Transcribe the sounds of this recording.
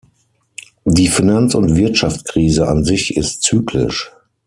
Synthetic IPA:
diːfinant͡sʊntv̥ɪɐtʃaft͡skʁ̥iːzəʔa̰nzɪçɪstt͡syːkʰlɪ̰ʃ

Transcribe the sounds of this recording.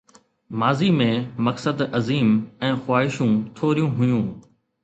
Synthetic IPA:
maːzimẽmɐksəd̪ɐziːmɛ̃ːxʊwaːɦɪʃũt̪ʰoːɾijũɦʊjũː

